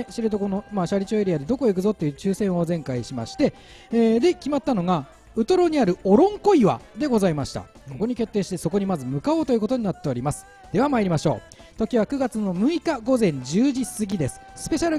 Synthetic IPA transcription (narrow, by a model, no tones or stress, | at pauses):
ɕiɾɯt̪oko̞nomaːɕaɾʲit͡ɕoːeɾiad̪e̞d̪o̞ko̞ik̬ɯ̟zo̞t̪ːe̞jɯ̟t͡ɕɨːsẽ̞ɰ̃o̞zẽ̞ŋkaiɕima̰ɕi̥t̪e̞ː | d̪e̞kʲimat̪ːano̞ŋa | ɯ̟t̪oɾo̞ɲ̟iaɾɯ̟oɾõ̞ŋko̞iβa̰d̪e̞ɡo̞zaimaɕi̥t̪a̰ | ko̞ko̞ɲ̟ikʲe̞t̪ːeːɕi̥t̪e̞so̞ko̞ɲ̟imazɨmɯ̟kaoːt̪o̞jɯ̟ko̞t̪o̞ɲ̟inat̪ːe̞o̞ɾʲimasɨ̥ | d̪̥e̞β̞amaiɾʲimaɕo̞̰ː | t̪o̞kʲiβakɯ̟ɡat͡sɨno̞mɯ̟ikaɡo̞zẽ̞ɲ̟d͡ʑɨːʑisɨɡʲid̪e̞sɨ̥sɨ̥pe̞ɕaɾɯ̟